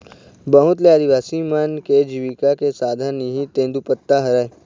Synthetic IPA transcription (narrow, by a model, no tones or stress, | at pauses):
bəɦʊt̪leaːd̪iʋaːsimanked͡ʒiʋikakesaːd̪ʱaniɦĩt̪ẽːnd̪upət̪ːaɦəɾaːe